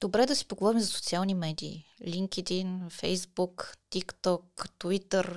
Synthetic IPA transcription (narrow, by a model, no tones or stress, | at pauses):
d̪̥obɾɛd̪ɐsi̥poɡovɔɾimzɐso̥t̪sialˠnimɛd̪ḭːliŋkɛd̪infɛ̰jzbukt̪ikt̪ɔkt̪vit̪əɾ